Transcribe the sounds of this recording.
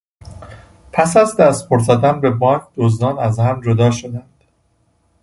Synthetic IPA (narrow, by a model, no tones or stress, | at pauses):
pʰæsæzd̪æst̪̚pʰoɾzɒd̪ænbe̞bɒːŋk̚ʰd̪̥ozd̪ɒːnæzhæmd͡ʒod̪ɒːʃod̪ænd̪̥